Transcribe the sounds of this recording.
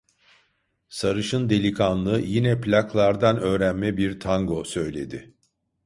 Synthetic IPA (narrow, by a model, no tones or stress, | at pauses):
saɾɯʃɯnd̪e̞lʲikʰanlˠɯːjinɛplʲakʰlˠaɾd̪anø̞ːɾænmɛbiɾt̪ʰaŋɡo̞sø̞jlʲe̞̰d̪ɪ